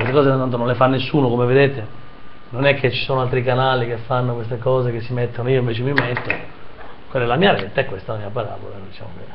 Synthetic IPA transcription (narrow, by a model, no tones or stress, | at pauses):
west̪ekɔːzenant̪onõnlefanːesːuːnokomeved̪eːt̪e | nonɛkʰːet͡ʃːi̥soːnoalt̪ɾikanaːlikefːanːokwest̪ekɔːzek̟esːimet̪ːonoiːoiɱveːt͡ʃemimet̪ːo | kwelːɛlamiːaɾevet̪aɛkːwest̪alamiːapaɾa̰ːbo̰land̪it͡ʃa̰ːmo̰ke